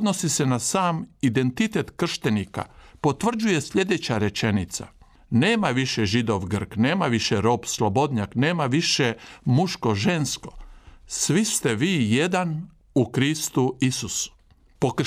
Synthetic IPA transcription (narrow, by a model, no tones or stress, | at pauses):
d̪nosisenasaːmid̪e̞nt̪it̪e̞t̪kr̩ʃt̪enika̰po̞t̪ʋr̩d͡ʑuje̞sʎʲe̞d̪et͡ɕaɾe̞t͡ʃe̞nit̪sa̰ | neːmaʋiʃeʒid̪o̞ʋɡr̩kneːmaʋiʃeɾo̞ːpslˠobo̞d̪ɲakne̞ːmaʋiʃemuʃko̞ʒe̞nsko̞̥sʋist̪e̞ʋiːje̞d̪an | ukɾist̪uisusu̥ | pok